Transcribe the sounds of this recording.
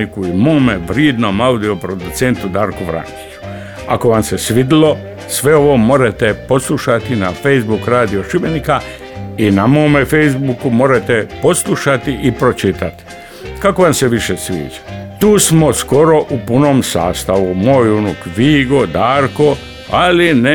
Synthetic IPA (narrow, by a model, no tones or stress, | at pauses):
ikuimoːmeʋɾjied̪nomaud̪io̞pɾo̞d̪ut̪se̞nt̪ud̪aːɾkuʋɾa̰ŋki̥t͡ʃu̥ | ako̞ʋamse̞sʋid̪ilo̞ | sʋe̞o̞ʋo̞mo̞ɾet̪epo̞slˠuʃat̪inafe̞jzbukɾaːd̪ioʃibenika | inamo̞ːmefe̞jzbukumoɾet̪epo̞slˠuʃat̪iʔipɾo̞t͡ʃit̪at̪i̥ | kako̞ʋamse̞ʋiʃesʋḭːd͡ʒḁt̪uːsmo̞sko̞ɾo̞ʔupunoːmsa̰ːst̪aʋumo̞ːjunukʋiːɡo̞d̪aːɾko̞ | aline